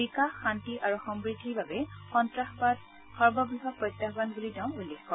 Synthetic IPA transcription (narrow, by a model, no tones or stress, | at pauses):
bikaxːantiʔaɹuxɔmbɹidʱːibabɛxɔntɹaxbad | xɔɹbɔbiɦɔpɹɔjtːabanbulidaʊ̃ulːexkɔ